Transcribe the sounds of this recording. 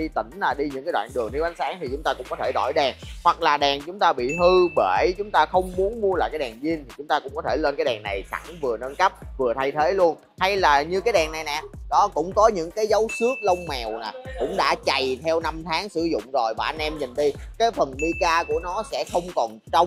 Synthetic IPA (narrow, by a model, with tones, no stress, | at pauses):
ɗi˧t̪ï˧˩ŋ̟laː˨˩ɗi˧ɲɨ̰˧˥ŋa˨˦jɗwa̰ː˧˨nɗɨ˨˩əŋt̪ʰi˧˦ʔa˨˦nsaː˨˦ŋt̪i˨˩t͡ɕʊ˨˦ŋ͡mt̪aː˧kʊ̰˧˥ŋ͡mkɔ˨˦t̪ʰe˧˩ɗɔ˧˩jɗɛː˨˩ŋhwa˨˩k̚laː˨˩ɗa˨˩ŋt͡ɕʊ˨˦ŋ͡mt̪aː˧ɓḭ˧˨ɦɨ˧ɓe˧˩t͡ɕʊ˨˦ŋ͡mt̪aː˧xə˧wŋ͡mmu˨˦ənmu˧əlaː˧˨jkaː˨˦jɗa˨˩ŋzi˧ənt̪ʰi˨˩t͡ɕʊ˨˦ŋ͡mt̪aː˧kʊ̰˧˥ŋ͡mkɔ˨˦t̪ʰe˧˩lə˧nkaː˨˦jɗa˨˩ŋna˨˩jsa̰˧˩ŋvɨ˨˩ənəː˧nkə˦˥p̚vɨ˨˩ət̪ʰa˧jt̪ʰe˨˦lu˧ən | ha˧jlaː˨˩ɲɨ˧kaː˨˦jɗa˨˩ŋna˨˩jnɛ̰˨ɗɔ˨˦kʊ̰˧˥ŋ͡mkɔ˨˦ɲɨ̰˧˥ŋkaː˨˦jzə˨˦wsɨ˦˥ək̚lə˧wŋ͡mmɛ˨˩wna˨˩kʊ̰˧˥ŋ͡mɗa̰ː˧˥t͡ɕa˨˩jt̪ʰɛ˧wna˧mt̪ʰaː˨˦ŋsɨ˧˩zʊ̰˧˨ŋ͡mzo˨˩jvaː˨˩ʔa˧nʔɛ˧mɲi˨˩nɗi˧kaː˨˦jfə˨˩nɗi˧kaː˧ku˧˩ənɔ˨˦sɛ̰˧˥xə˧wŋ͡mkɔ˨˩nt͡ɕa˧wŋ͡m